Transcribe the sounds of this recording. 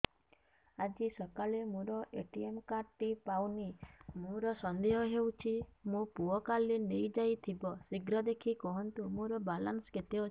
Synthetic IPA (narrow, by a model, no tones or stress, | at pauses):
ad͡ʒisɔkaɭemũɾɔʔeʈiemkaɾʈipawnimuɾɔsɔnd̪eɦɔɦeut͡ʃʰimũpuɔkalinejd͡ʒajt̪ʰibɔsiɡɾɔd̪ekʰikɔɦɔnt̪umũɾɔbalansket̪eo